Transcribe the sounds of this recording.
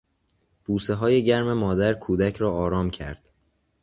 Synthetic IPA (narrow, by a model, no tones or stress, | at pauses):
b̥uːseɦɒːje̞ɟæɾmemɒːd̪æɾkʰuːd̪æcʰɾɒːɒːɾɒːmcʰæ̰ɾd̪̥